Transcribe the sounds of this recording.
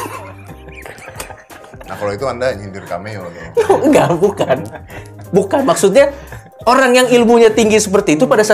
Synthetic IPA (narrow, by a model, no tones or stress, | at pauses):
na̰hkaloit̪uandaɲint̪ɪrka̰mejot̪ujŋɡaʔbukanbukanmaksut̪̚ɲa | oɾaŋjaŋilmuɲat̪iŋɡisəpərt̪iːt̪upadasa